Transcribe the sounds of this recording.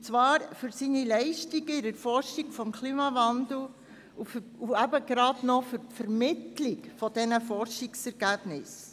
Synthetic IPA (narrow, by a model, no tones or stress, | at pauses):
t͡sʋɑːɾfʏɾsiːnilɛɪʃtiɡɪɾəɾfɔrʃiɡfɔmkʰliːmɑvɑnd̪l̩ˠ | ufuæbəɡɾɑdnɔfʏɾtfɛɾmɪtlikfɔd̥ɛnəfɔɾʃɪksɛɾɡæb̥nɪs